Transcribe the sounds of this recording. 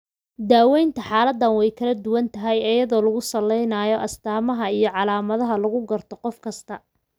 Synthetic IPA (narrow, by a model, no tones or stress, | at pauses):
d̪aːwɛjnt̪ʰɐħaːlɐd̪ːɐnwɛjkʰɐlɐd̪ʊwɐnt̪ʰɐɦɛjɐjɐðɔːlɐɣʊsɐlːɛjnaːjɔʔɐst̪ʰaːmɐɦɐijɞʕɑlaːmɐðɐɦɐlɐɣʊɡɐrt̪ʰɔqɔfkʰɐst̪ʰɐ